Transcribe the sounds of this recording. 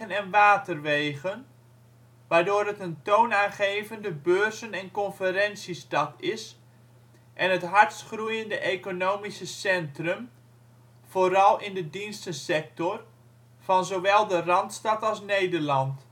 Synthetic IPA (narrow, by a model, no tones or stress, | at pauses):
ənɛnʋaːtərʋejɣən | ʋaːɹdoːɾɦətəntownaːnχejvəndəbøːɹsənɛnkɔnfəɾɛnsistɑtɪs | ʔɛnɦətɦɑɹtsχrujəndəʔejkonowmisəsɛntrəm | v̥oɾɑlˠɪndədinstəsɛk̚tɔr | v̥ɑnzowʋɛlˠdərɑntstɑtɑlˠsnejdəɹlɑnt